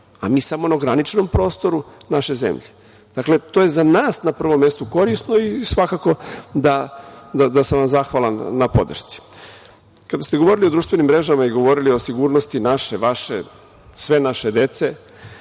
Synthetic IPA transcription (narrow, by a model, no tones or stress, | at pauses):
amiːsamo̞naɡɾanit͡ʃno̞mpɾo̞ːst̪o̞ɾunaʃe̞zḛmʎe | d̪̥akle̞t̪oːje̞zanaːsnapr̩ʋo̞mːe̞st̪uko̞ɾisno̞isʋakako̞d̪ad̪ad̪asamʋamzaxʋalˠanːapo̞̰d̪r̩ʃt̪si̥ | kad̪ast̪eɡoo̞ɾilio̞d̪ɾuːʃt̪ve̞nimːɾe̞ʒamaiɡo̞ʋo̞ɾilio̞siɡuːɾnost̪inaʃeʋaʃḛ | sʋe̞naʃe̞d̪e̞t̪se̞